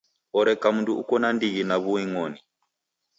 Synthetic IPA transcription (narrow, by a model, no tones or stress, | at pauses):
ɔɾɛkamunduukɔnandiɣinaβuwiŋɔni